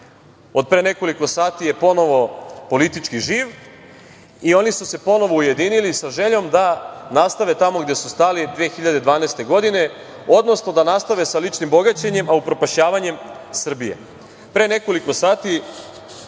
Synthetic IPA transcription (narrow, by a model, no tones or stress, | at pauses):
o̞d̪̚pɾene̞ko̞liko̞saːt̪ije̞po̞no̞ʋo̞po̞lit̪it͡ʃkiʒiːʋ | io̞nisuse̞po̞no̞ʋo̞uje̞d̪iːnilisaʒe̞ʎo̞md̪anast̪aʋe̞t̪amo̞ɡd̪je̞sust̪aːlid̪ʋeːxiʎad̪ed̪ʋaːneːst̪e̞ɡo̞d̪ine̞ | o̞d̪no̞sno̞d̪anast̪aʋe̞salit͡ʃnimbo̞ɡat͡ɕeɲe̞maupɾo̞paʃɲaːʋaɲe̞m | sr̩bije̞̰ | pɾe̞ne̞ko̞liko̞saːt̪i